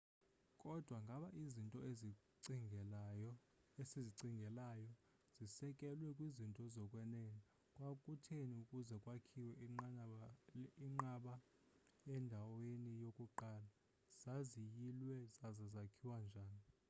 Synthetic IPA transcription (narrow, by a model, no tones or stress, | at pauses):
kʼɔd̥ʱwaŋɡʱaɓaʔizintʼɔe | esiziǀiŋʱɛlajɔ | z̥isɛkʼɛlwɛkʼwizintʼɔzɔkʼwɛnɛni | kʼwakʼutʰeniukʼuzɛkʼwakʰiwɛ | iŋ͡ǃaɓa | ɛndʱawenijokʼuǃaːla | z̥azijilwɛzazazakʰiwand͡ʒʱaːni